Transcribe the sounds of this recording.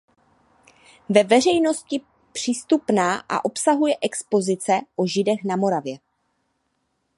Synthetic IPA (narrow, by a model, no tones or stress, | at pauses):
vɛvɛr̝ɛjno̞scɪ | pr̝̥ist̪upnaːʔa̰ʔo̞psaɦujɛʔɛkspo̞zɪt͡sɛʔoʒɪdɛxnamo̞ɾavjɛ